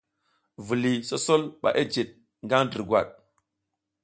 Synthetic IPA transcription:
vu˨li˨so˦so˦lɓa̰˨ʔe˦d͡ʒe˨t̚ | ŋɡa˦ŋdi˨ɾɡwa̰˨ɗ̚

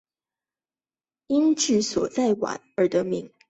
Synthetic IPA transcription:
i˥nʈ͡ʂɻ̩˥˩swɔ˨˩t͡sa˥˩ɪwa̰˨˩˦nə˨˧˥d̪ə˧mi˧˥ŋ

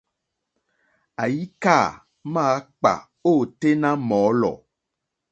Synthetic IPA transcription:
a˨ji˦ka˦˨ | mã˦k͡pa̰˨ | o˦˨t̪e˦nã˦mɔ̃˨˦lɔ̰˨

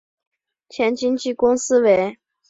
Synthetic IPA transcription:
t͡ɕʰjɛ˧˥nt͡ɕi˥ŋt͡ɕi˥˩kʊ˥ŋsɹ̩˥we˧˥ɪ

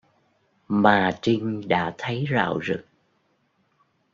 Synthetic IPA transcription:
maː˨˩t͡ɕï˧ŋ̟ɗa̰ː˧˥t̪ʰə˨˦jza̰ː˧˨wzɨ˨˩k̚

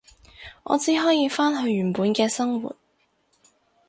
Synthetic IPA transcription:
ŋɔ̰ː˨˧t͡siː˨˥ɦɔː˨˥jiː˨˧faː˥nɦɵ˧ɥɥyː˨˩npuː˨˧nkɛː˧sɐ˥ŋwṵː˨t̚

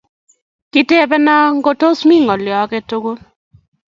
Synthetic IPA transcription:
ki˦te˦˨bɛ˦na˦ŋɡo˦to˦smi˦˨ŋɔ˨lɪ˨ɔ˨˦kɛ˦to˦ɡo˦

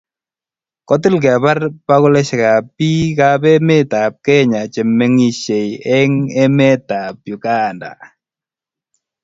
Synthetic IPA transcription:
kɔ˦ti˦lk̬ɛ˨βa˦rpa˦ɣʊ˦lɛ˦ʃka˨pi˦kabɛ˦mɛ˦ta˨p̚kɛ˦ɲa˨t͡ʃɛ˨mɛ˦ŋi˨ʃɛ˨jɛ˦ŋɛ˦mɛ˦ta˨p̚ju˨ka˦˨nda̰˨

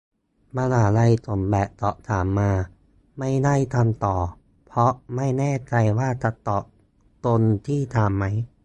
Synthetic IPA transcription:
ba˧laː˨˩˦la˧jt̪ʰo˨˩˦mbɛː˨˩p̚t̪ɔ˨˩t̪ʰaː˩˦mːaː˧ | ma˥˩jda˥˩jt̪ʰa˧mt̪ɔː˨˩ | pʰɾɔ˦˥ʔma˥˩jnɛː˥˩t͡ɕa˧jwaː˥˩t͡ɕa˨˩t̪ɔ˨˩ʔ | t̪o˧nt̪ʰiː˥˩t̪ʰa˧mːa˦˥j

